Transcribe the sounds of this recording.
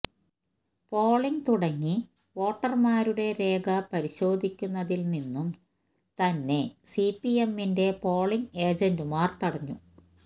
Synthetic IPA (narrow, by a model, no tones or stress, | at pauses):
po̞ːɭiŋt̪uɽɐŋːi | ʋo̞ːʈːɐrmaːɾuɽe̞ɾe̞ːɡɐpɐɾiɕo̞ːd̪ʱikʲːunːɐðilninːum | t̪ɐnːe̞sipːijemːinde̞po̞ːɭiŋe̞ːd͡ʑɐndɨmaːrt̪ɐɽɐɲːṵ